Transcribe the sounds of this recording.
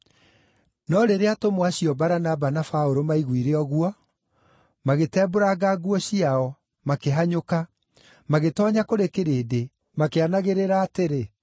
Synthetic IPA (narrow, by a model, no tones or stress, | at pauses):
nɔɾeɾeatomwaɕiɔbaɾanabanafaoɾomaiɣwiɾeɔɣwɔ | maɣetɛːboɾaɡaɡwɔɕiaɔ | makeɦaɲoka | maɣetɔɲakoɾekeɾeːde | makeanaɣeɾeɾaːteɾe